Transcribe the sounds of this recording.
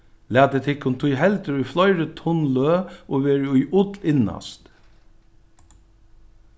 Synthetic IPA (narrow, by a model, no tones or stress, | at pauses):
læːt̪ət̪ʰɪkːʊnt̪ʰujhɛlt̪əɾʊiflɔʏɾət̪ʰʊnløːʔoːʋeːɹʊiːʔʊd̪lɪnɑ̰st̪